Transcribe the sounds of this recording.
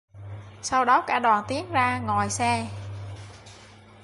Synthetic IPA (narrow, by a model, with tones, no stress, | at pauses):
sa˧wɗɔ˨˦kaː˧˩ɗwaː˨˩nt̪i˨˦ənzaː˧ŋɔ˨˩jsɛ˧